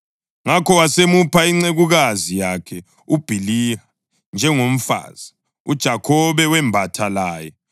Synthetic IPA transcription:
ŋakʰɔwasemupʰaiŋ͡ǀeɣuɣazijakʰɛ | ub̥ʱilia | nd͡ʒʱɛŋom̩fa̰ːz̥i | ud̥ʒ̥ʱakʰɔβɛwɛmbʱatʰalaːjɛ

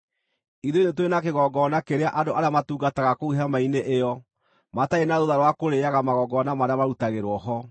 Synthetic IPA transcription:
iðoinetowenakeɣɔɡɔnakeɾeaʔadoʔaɾeamatuːɡataɣakouɦamaineʔejɔ | mataenaðoðaɾwakoɾeaɣamaɣɔɡɔnamaɾeamaɾutaɣeɾwɔɦɔ

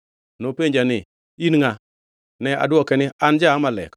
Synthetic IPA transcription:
nopeɲd͡ʒanɪ | inŋa | nɛa̰dwɔkɛnɪand͡ʒamalɛ̰k

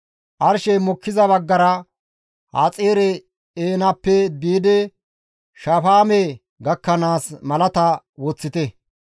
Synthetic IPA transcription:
ʔɐɾʃɛmɔkːɪzɐbɐɡːɐɾɐ | ha̰ːt͡sʼeːɾɛ | eːnɐpːɛd̪iːd̪ɛ | ʃɐfaːme | ɡɐkːɐnaːsmɐlɐt̪ɐ | wɔt͡sːɪt̪ɛ

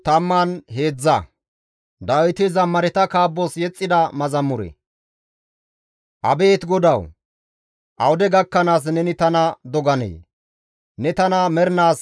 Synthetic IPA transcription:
t̪ɐmːanɦe̞ːd͡zːɐ | d̪ɐwjt̪ɪzɐmːɐɾɛt̪ɐkaːbːɔsjɛt͡sʼːɪd̪ɐmɐzɐmʊɾɛ̰ | ʔɐ̰be̞ːt̪ɡɔd̪ɐw | ʔɐwʊd̪ɛɡɐkːɐnaːs̬nɛnɪt̪ɐnɐd̪ɔɡɐnḛː | nɛt̪ɐnɐmɛɾnaːs

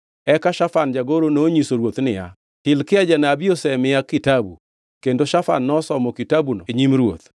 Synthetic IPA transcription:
ɛkaʃafand͡ʒaɡoɾonoɲisoɾwot̪nɪja̰ | tɪlkɪad͡ʒanaːbiosɛmɪjakitabṵ | kendoʃafa̰nːɔsɔmɔkitabunɔ̰eɲimɾwo̰t̪

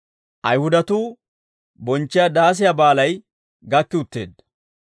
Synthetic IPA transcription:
ʔɐjhʊd̪ɐt̪uː | bɔnt͡ʃːɪjad̪aːs̬ɪjabaːlɐj | ɡɐkːɪʊt̪ːḛːd̪ːɐ

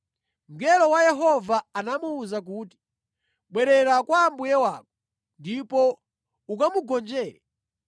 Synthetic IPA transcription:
mɡɛlɔwajɛɦɔvaanamuːzak̬uːti̥ | ɓwɛɾɛɾakwaːmbujɛwak̚ɔ | ndipɔ | ukamuɡɔnd͡ʒɛːɾɛ

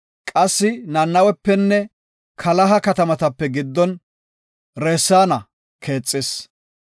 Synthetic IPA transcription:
kʼɐsːɪnɐnːɐwɛpːɛnːɛ | kʰɐlɐɦɐkɐt̪ɐmɐt̪ɐpːɛɡɪd̪ːɔn | ɾeːsːaːnɐ | kʰe̞ːt͡sʼːɪs

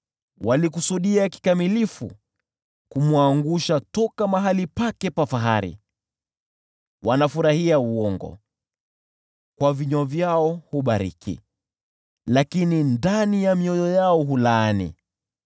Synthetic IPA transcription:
wʔalikusuɗiaki̥kamilifṵ | kumwaŋɡuʃatɔkamaɦalipakɛpafaɦa̰ɾḭ | wʔanafuɾahiauɔŋɡɔ̰ | kwaviɲɔvjaɔhuɓaɾḭkʰḭ | lakinindanijamiɔjɔjaɔɦulaːnḭ

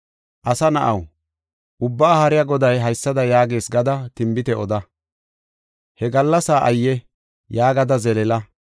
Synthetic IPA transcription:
ʔɐsɐnɐʔɐ̰w | ʔʊbːaːhɐɾɪjɐɡɔd̪ɐjɦɐjsːɐd̪ɐjaːɡe̞ːsɡɐd̪ɐt̪ɪmbɪt̪ɛɔd̪ɐ | hɛɡɐlːɐsaːʔɐ̰jːɛ | jaːɡɐd̪ɐzɛlɛlɐ

